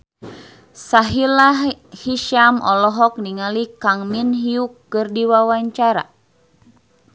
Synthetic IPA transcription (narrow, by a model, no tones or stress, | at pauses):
saɦilahiʃamʔɔlɔɦɔk̚niŋalikaŋminɦiukːɨrdiwawaɲt͡ʃaɾa̰